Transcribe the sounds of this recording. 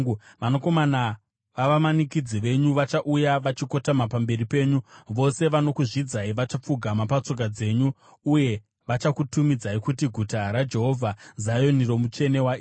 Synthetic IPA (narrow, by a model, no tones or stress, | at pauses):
ʋanoko̞mana | ʋaʋamanikid͡ziʋe̞ɲuʋat͡ʃaʔujaʋat͡ʃiko̞tamapambe̞ripe̞ːɲuʋo̞se̞ʋano̞kuʐid͡zaiʋat͡ʃap͡fuɡʱamapat͡so̞k̬ad͡ze̞ːɲu | uje̞ | ʋat͡ʃakutumid͡zaikutiɡʱutaɾad͡ʒe̞ɦo̞vʱazajo̞niro̞mut͡ʃe̞ne̞wai